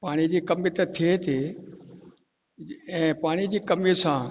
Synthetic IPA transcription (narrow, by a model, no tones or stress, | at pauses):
paːɽ̃id͡ʑiːkɐmit̪et̪ʰiet̪ʰe | ɛ̃ːpaːɽ̃id͡ʑiːkɐmisã